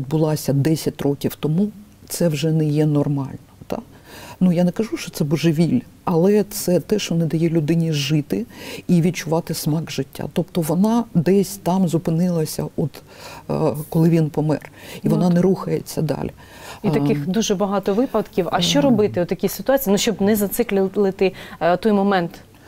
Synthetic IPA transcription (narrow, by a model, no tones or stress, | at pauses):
id̪̚bʊlˠɑsʲɐd̪ɛsʲɐt̚ʲrɔkʲiwt̪ɔmu | t̪sɛwʒɛnɛjɛnɔrmɑlʲnɔt̪ɑ̰ | nujanɛkɐʒuʃt͡ʃɔt̪sɛbɔʒɪʋʲilʲ | ɐlˠɛt̪sɛt̪ɛʃɔnɛd̪ɐjɛlʲʊd̪ɪnʲiʒɪt̪ɪiʋʲid̪̚t͡ʃʊʋɑt̪ɪsmɑɡʒɪtʲːa̰t̪ɔpt̪ɔʋɔnɑd̪ɛsʲt̪ɑmzʊpɪnɪlˠɐsʲɐʔɔt̪ | kɔlˠɪʋʲinpɔmɛ̰riʋɔnɑnɛɾuxɐjet͡sʲːɐd̪ɑ̰lʲi | it̪ɐkɪxd̪uʒɛbɐɦɑt̪ɔʋɪpɐt̪kʲiwɐ̰ʃt͡ʃɔɾɔbɪt̪ɪɔt̪ːɐkʲisɪt̪ʊɑt͡sʲiːnʊʃt͡ʃɔbnɛzɐt̪sɪklʲlˠɪt̪ɪt̪ɔjmɔmɛnt̪